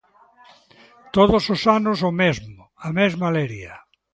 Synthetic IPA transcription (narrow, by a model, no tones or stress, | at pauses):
t̪oðososanʊsomezmʊamezmaleɾjɐ